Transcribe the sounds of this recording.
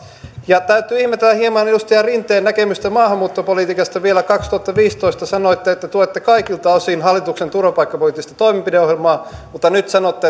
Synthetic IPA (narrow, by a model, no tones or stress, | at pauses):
jɑt̪æyt̪ːˑyːihmet̪ːelːæhiemɑnjust̪eɑrint̪ːˑeːnækemyst̪æmɑːhɑmːuːt̪ːopoliˑt̪ikɑst̪ɑʋielækɑkst̪uɑt̪ːɑʋiːst̪oist̪ɑsɑnoit̪ːeet̪ːæt̪uoet̪ːekɑikilt̪ɑosinɦɑlːit̪uksent̪urʋɑpɑikːɑpoliːˑt̪ːist̪ɑt̪oimempideohjelmɑːmut̪ːɑnyt̪sɑnot̪ːe